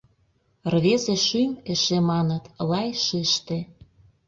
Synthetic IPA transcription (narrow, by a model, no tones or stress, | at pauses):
rβezeʃymĕʃemɑnə̆t̪lɑjʃɘʃt̪ĕ